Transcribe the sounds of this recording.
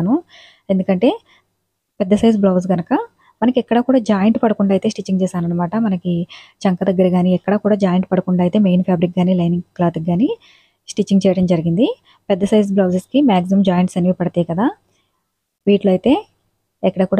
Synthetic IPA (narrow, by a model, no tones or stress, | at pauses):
nu | end̪ukɐɳʈe̞ː | pɛd̪ːɐsɐjzblɐːʋsɡɐnɐkɐ | mɐnɐkiɛkːɐɽɐkuːɽaːd͡ʒaːjɐɳʈpɐɽɐkuɳɖaːjt̪e̞ːsʈit͡ʃːiŋɡt͡ʃɛːsaːnɐnːɐmaːʈɐmɐnɐkit͡ʃɐŋkɐd̪ɐɡːɐɾiɡaːniɛkːɐɽɐkuːɽaːd͡ʒaːjɐɳʈ̚pɐɽɐkuɳɖaːjt̪eːmejnpʰjaːbɾik̚ɡaːniːlɐjniŋɡklaːt̪ik̚ːaːni | sʈit͡ʃːiŋɡt͡ʃɛːjɐɽɐmd͡ʒɐɾiɡind̪i | pɛd̪ːɐsɐjzblɐːsɐskimaːɡsɐmd͡ʒaːjɐɳʈsɐniʋipɐɽɐt̪ejkɐd̪aː | ʋiːʈlɐjit̪e̞ː | ɛkːɐɽɐːkuːɽ